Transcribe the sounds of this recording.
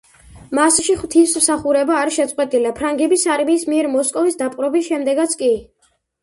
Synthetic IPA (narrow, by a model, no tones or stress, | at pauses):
masʃiχwt̪ʰismsaχuɾɛbaːɾiʃɛt̪sʼqʼwɛt̪ʼilapʰɾaŋɡɛbisaɾmiːsmiɛɾmɔskʼɔvisd̪apʼɾɔbisʃɛmd̪ɛɡat̪sʰkʼi